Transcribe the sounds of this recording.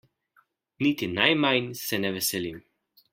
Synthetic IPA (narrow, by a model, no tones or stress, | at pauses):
nit̪inajmajnsɛnɛʋɛsɛlim